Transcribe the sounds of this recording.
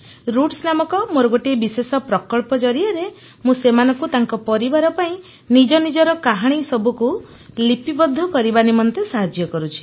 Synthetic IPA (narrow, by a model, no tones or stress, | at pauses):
ɾuʈsnamɔkɔmoɾɔɡoʈibisesɔpɾɔkɔɭpɔd͡ʒɔɾiaɾe | mũsemanɔ̃ŋkut̪aŋkɔpɔɾibaɾɔpaĩ | nid͡ʒɔnid͡ʒɔɾɔkaɦaɽ̃isɔbʱuku | lipibɔd̪ʱːɔkɔɾibanimɔnt̪esaɦad͡ʒjɔkɔɾut͡ʃʰi̥